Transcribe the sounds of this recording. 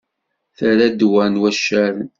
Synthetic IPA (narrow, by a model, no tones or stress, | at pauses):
θəɾæd̪wænwæʃːæɾn